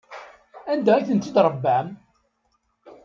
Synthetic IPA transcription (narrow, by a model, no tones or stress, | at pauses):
ænd̪ææθənt̪id̪ɾˤəbːæm